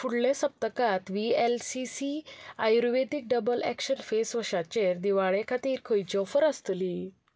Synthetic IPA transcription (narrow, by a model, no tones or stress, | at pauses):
fuɽljesəp̚t̪əkat̪ʋielsisiajɾʋed̪ik̚ɖəbəlæ̰kɕənfesʋəɕat͡ɕeɾd̪iʋaɭekʰat̪iːɾkʰəjt͡ɕɔfəɾəst̪li